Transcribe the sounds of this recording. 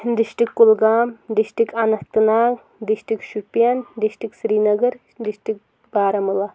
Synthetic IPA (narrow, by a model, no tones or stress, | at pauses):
d̪iʃʈikːulɡaːmd̪iʃʈikɐnɐht̪ɨnaːk | d̪iʃʈikʃupijand̪iʃʈiksɾiːnɐɡɐɾ | d̪iʃʈik̚ | baːɾɐmɐlɐ